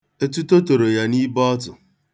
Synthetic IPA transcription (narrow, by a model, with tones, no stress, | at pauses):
e˦tu˦to˦to˨ɾo˨ja˦ni˦bɔ˦tʊ˨